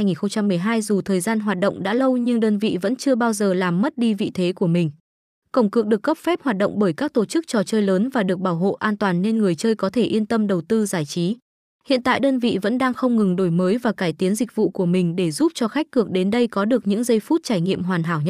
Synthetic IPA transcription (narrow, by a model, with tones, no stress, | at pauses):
a˧jŋi˨˩nxə˧ŋ͡mt͡ɕa˧mːɨ˨˩əjɦaː˧jzu˨˩t̪ʰəː˨˩jzaː˧nɦwaː˨˩t̚ɗə̰˧˨wŋ͡mɗa̰ː˧˥lə˧wɲɨ˧ŋɗəː˧nvḭ˧˨və̰˧˥nt͡ɕɨ˧əɓaː˧wzəː˨˩laː˨˩mːə˦˥t̚ɗi˧vḭ˧˨t̪ʰe˨˦ku˧˩əmï˨˩ŋ̟ | kə˧˩wŋ͡mkɨ˨˩ək̚ɗɨ˨˩ək̚ːə˦˥p̚fɛ˦˥p̚hwaː˨˩t̚ɗə̰˧˨ŋ͡mɓəː˧˩jkaː˦˥k̚t̪o˧˩t͡ɕɨ˦˥k̚t͡ɕɔ˨˩t͡ɕəː˧jləː˨˦nvaː˨˩ɗɨ˨˩ək̚ɓaː˧˩wɦo̰˧˨ʔaː˧nt̪waː˨˩nːe˧nŋɨ˨˩əjt͡ɕəː˧jkɔ˨˦t̪ʰe˧˩ʔi˧ənt̪ə˧mɗə˨˩wt̪ɨ˧zaː˧˩jt͡ɕi˨˦ | hḭ˧˨nt̪a̰ː˧˨jɗəː˧nvḭ˧˨və̰˧˥nɗaː˧ŋxə˧wŋ͡mŋɨ˨˩ŋɗo˧˩jməː˨˦jvaː˨˩kaː˧˩jt̪i˨˦ənzï˨˩k̟̚vṵ˧˨ku˧˩əmï˨˩ŋ̟ɗe˧˩zu˦˥p̚t͡ɕɔ˧xa˦˥k̟̚kɨ˨˩ək̚ɗe˨˦nɗə˧jkɔ˨˦ɗɨ˨˩ək̚ɲɨ̰˧˥ŋzə˧jfu˦˥t̚t͡ɕaː˧˩jŋḭ˧˨əmɦwaː˨˩nɦaː˧˩wɲə˦